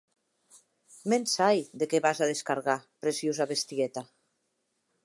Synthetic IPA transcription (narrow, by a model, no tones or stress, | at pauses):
mensajd̪ekeβazaðeskaɾɣapɾesjozaβest̪iɛt̪a